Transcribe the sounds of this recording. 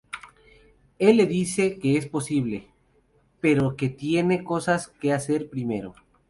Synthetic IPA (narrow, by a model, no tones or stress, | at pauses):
e̞lːe̞ðise̞ke̞espo̞siβ̞le̞ | pe̞ɾo̞ke̞t̪je̞ne̞ko̞saske̞ase̞ɾpɾime̞ɾo̞̰